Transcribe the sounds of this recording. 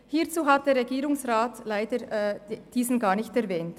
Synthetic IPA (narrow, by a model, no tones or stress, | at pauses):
hiːt͡suːɦat̚d̥eːɐɾʁeɡiːɾʊŋsʁaːtlaɪdəd̥iːzn̩ɡɑːnɪçtɛʁvɛːnt